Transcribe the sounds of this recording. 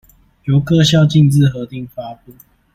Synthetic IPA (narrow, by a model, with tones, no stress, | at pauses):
jo˨˧˦ʊkə˦ɕjɑ˥˧ʊt͡ɕi˥˧ŋt͡sɹ̩˥˨xɤ˨˦t̪i˥˨ŋfa˦pu˥˨